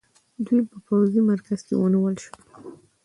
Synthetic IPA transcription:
d̪wijpəpawzimaɾkaz̥kḛwəniwəlʃə

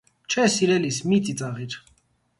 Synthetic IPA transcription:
t͡ʃʰɛsiɾɛlismit͡sit͡sʼɑʁiɾ

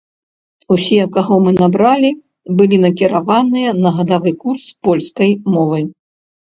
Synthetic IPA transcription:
usʲiɛkaɣɔmɨnabɾalʲi | bɨlʲinɐkʲiɾavanɨjɐnɐɣɐd̪avɨkurspɔlʲskɐjmɔvɨj

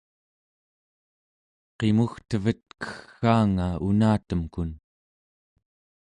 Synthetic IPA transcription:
qe̞muxt̪əvət̪̚kə̥xːaːŋaṵnaːt̪əmkun

